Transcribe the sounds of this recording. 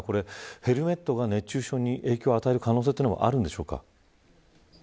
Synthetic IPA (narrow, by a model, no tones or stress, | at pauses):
ko̞ɾe̞he̞ɾɯ̟me̞t̪ːo̞ɡane̞t͡ɕːɨːɕo̞ːɲ̟iʔe̞ːkʲo̞ːat̪ae̞ɾɯ̟kano̞ːs̬et̪einoa̰ʔa̰ɾɯ̟̃nd̪e̞ɕo̞ːka̰